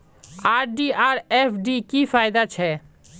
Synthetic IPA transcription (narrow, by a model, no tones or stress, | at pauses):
aɾɖiʔaɾepɖikifajd̪at͡ʃʰɛ